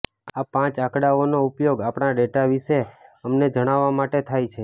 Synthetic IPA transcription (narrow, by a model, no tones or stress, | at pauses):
apãt͡ʃakɽaonoupjoɡapɳ̃aɖeʈaʋiʃeəmned͡ʒəɽ̃aʋːamaʈet̪ʰajt͡ʃʰe